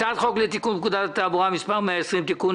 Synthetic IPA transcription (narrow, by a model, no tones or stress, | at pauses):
at̪xɔklet̪ikumkud̪at̪abuamispamasɨmt̪iku